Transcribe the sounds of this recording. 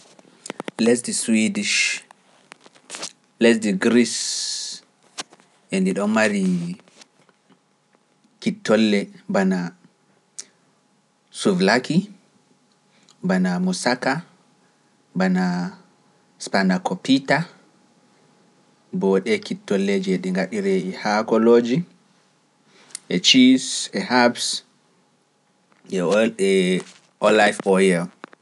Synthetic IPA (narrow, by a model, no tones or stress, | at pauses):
lɛs̬diswidiʃ | lɛs̬diɡɾis | ʔɛndiɗɔnmaɾi | kitːɔlːɛbana | suvlaki | banamusaka | bana | spanakɔpita | bɔɗɛkitːɔlːed͡ʒɛɗɛŋɡaɗiɾɛihakɔloːd͡ʒi | ʔɛt͡ʃisɛhabs | ɛɗɛ | ʔɔlajfɔjɛl